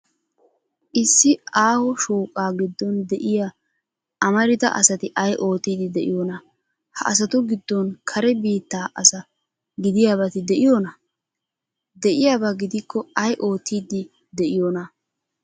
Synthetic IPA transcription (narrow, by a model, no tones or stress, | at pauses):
ʔɪsːɪaːhɔʃuːkʼaːɡɪd̪ːɔnd̪ɛʔɪja | ʔɐmɐɾɪt̪ɐ̰ʔɐ̰sɐt̪ɪʔɐjʔo̞ːt̪ːiːd̪ɪd̪ɛʔɪjonɐ | hɐ̰ʔɐs̬ɐt̪ʊɡɪd̪ːɔnkʰɐɾɛbiːt̪ːaːʔɐsɐ | ɡɪd̪ɪjaːbɐt̪ɪd̪ɛʔɪjonɐ | d̪ɛʔɪjaːbɐɡɪd̪ɪkːɔɐjʔo̞ːt̪ːiːd̪ɪ | d̪ɛʔɪjonɐ